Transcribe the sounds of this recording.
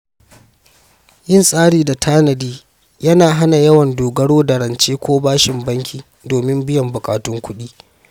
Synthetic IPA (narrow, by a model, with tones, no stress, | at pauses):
jɪ˦nsʼaː˦ɽiː˨da˨tʰaː˦nɐ˨diː˦ | jɐ˦naː˨ɦa˦na˨jɐ˦wɐ˨ndoː˨ɡɐ˦ɽoː˦da˨ɽɐ˨nt͡ʃeː˦kʷoː˦baː˦ʃɪ˨mbɐ˦ŋkʲiː˨ | doː˨mɪ˦mbɪ˦jɐ˨mbʊ˨kʼaː˨tʊ˦ŋkʷʊ˦ɗiː˦